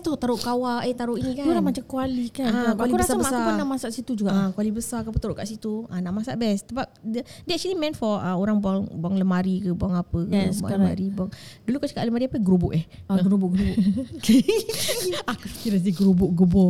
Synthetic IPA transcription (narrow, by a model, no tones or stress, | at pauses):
t̪ʊht̪aɾʊʔkawaet̪aɾʊʔinikauɾamat͡ʃamkualikanakalibəsabəsaunaʔmasaʔsit̪ud͡ʒuɡaʔakualibəsakapət̪əɾʊʔkaʔsit̪uanaʔmasaʔbɛst̪əbap̚dədiɛk̚t͡ʃulimɛ̃nfɔʔə̰oɾaŋbuaŋbaŋləmaɾikəbuaŋapəkəba̰ləma̰ɾibuaŋdulukat͡ʃaka̰ʔləmaɾiapəɡəɾubʊʔɛhaɡəɾubʊʔɡəɾubʊ | akufi̥kiɾas̬diɡəɾubʊʔɡəbɔ